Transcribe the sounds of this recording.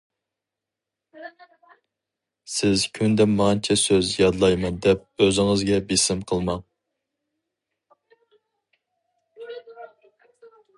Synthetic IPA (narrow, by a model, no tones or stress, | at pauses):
sɪzkʲʰynd̪ɛmːɑnt͡ʃʰɛsøzjɑd̪lˠɑjmɑnd̪ɛp̚øzɪŋɨzɡʲɛbesɪmqʰəlˠmɑŋ